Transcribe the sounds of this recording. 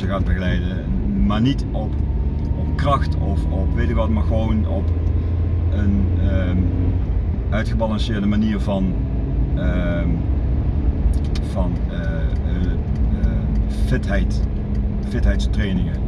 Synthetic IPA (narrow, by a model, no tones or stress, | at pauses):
əɣaːdbəɣəlɛjdə | maːɹnit | ɔp | ɔpkrɑxtɔfɔpʋejtɪkʋɑtmaːɹɣəʋownɔp | ən | œɥtχəbɑlɑnsɪːɹdəmaniːɹvɑn | vɑn | fɪtɦɛjt | fɪtɦɛjtstrejnɪŋə